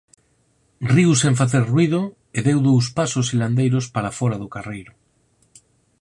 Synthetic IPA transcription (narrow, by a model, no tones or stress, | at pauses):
riwsẽɱfaθeɾrwið̞ʊ | eðewðows̬pasʊsiland̪ejɾʊspaɾafɔɾaðʊkarejɾʊ